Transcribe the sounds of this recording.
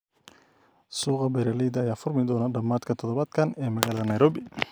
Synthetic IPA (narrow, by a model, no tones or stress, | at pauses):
suːqɑbɛɾɐliːd̪ɐjaːfʊrmɪd̪ɔːnɐɖɐmːaːd̪kʰɐt̪ʰɔðɔβaːd̪kʰɐnɛːmɐɣaːlɐðɐnɐjɾɔːbɪ